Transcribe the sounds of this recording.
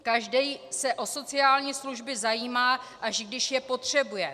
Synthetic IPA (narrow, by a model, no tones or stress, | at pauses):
kaʒdɛjsɛʔo̞so̞t͡sɪaːlɲiːsluʒbɪzajiːmaːʔaʃɡdɪʃjɛpo̞t̪r̥ɛbujɛ